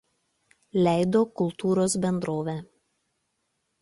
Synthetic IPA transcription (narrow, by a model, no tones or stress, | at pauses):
lʲæˑɪd̪oːkʊlˠt̪uːɾoːsbʲɛnd̪ɾoːʋʲæ